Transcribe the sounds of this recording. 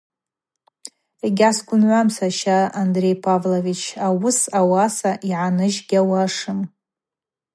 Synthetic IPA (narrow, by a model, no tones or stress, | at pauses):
eɡʲasɡʷʊnʕʷamsaʃaːndre̞jpʰavlovit͡ʃʰawʊsawasaʔiʕanɨʒɡʲawaʂɨm